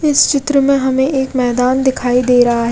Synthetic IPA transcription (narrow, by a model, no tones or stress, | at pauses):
ɪst͡ʃɪt̪ɾəmẽɦɐmẽʔeːkmɛːd̪aːnd̪ɪkʰaːid̪eːɾɐɦaɦɛ